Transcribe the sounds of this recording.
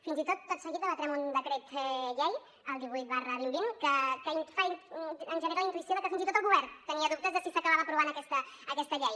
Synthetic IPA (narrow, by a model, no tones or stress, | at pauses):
finzit̪ot̪ːot̪səɣit̪ələt̪ɾɛmund̪əkɾet̪ʎej | əlˠd̪iβujt̪̚barəβimbinkəkəinfaiənʒənəɾalint̪uisioðəkəfinzit̪ot̪əlˠɣuβɛɾnt̪əniəðup̚t̪əzðəsisəkəβaβaəpɾuβ̞anəkɛst̪əəkɛst̪əʎɛj